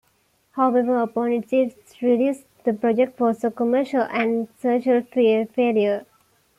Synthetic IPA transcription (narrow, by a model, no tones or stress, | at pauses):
haʊeʋəɾəpɔ̃nɪʈsiː | ɾiɖjuːs | d̪əpɾɔd͡ʒek̚ʈfɔːsəkəməːʃəlʔæ̃ɳɖsoːʃəlfifeːljə